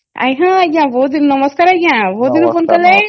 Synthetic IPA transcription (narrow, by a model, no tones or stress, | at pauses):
a̰jɦãjãʋoːd̪inːɐməskaːɾajãʋod̪infonk̪ɐle